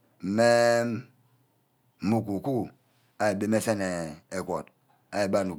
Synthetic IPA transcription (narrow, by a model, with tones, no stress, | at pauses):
m̩˨me˦ | mu˨k̬u˨ku˦ | a˨e˨be˦me˦se˦ne˨e˨kʷo˨t | a˨je˨ba˦˨nu˨